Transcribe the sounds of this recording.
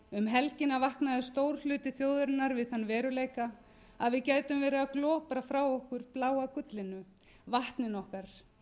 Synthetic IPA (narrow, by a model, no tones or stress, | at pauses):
ʏmɦɛlcɪnavahknaðʏst̪oːwɾ̥lʏːt̪ɪθjoːwðʏɾɪnːaɾvɪðθanːvɛːɾʏleːjka | aðvɪðcaːjt̪ʏmvɛːɾɪaklɔːpɾafɾawɔhkʏɾ̥plaːwakʏt̪lɪnʏ | vaht̪nɪnɔhkaɾ̥